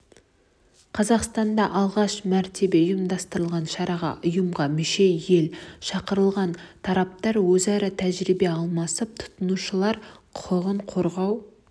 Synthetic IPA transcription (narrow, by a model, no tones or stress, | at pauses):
qʰɑzɑqst̪ɑnd̪ɑʔɑlˠʁɑʃmæɾt̪ʰe̞be̞ʊjəmd̪ɑst̪əɾəlˠʁɑnʃɑɾɑʁɑ̰ʔʊjəmʁɑmʏʃe̞je̞lʃɑqəɾəlˠʁɑnt̪ʰɑɾɑp̚t̪ɑɾwɵzɑɾət̪ʰæʒɾibe̞ɑlˠmɑsəp̚t̪ʰʊ̥t̪ənuʃəlˠɑɾqʰʊəʁəɴqʰo̞ɾʁɑw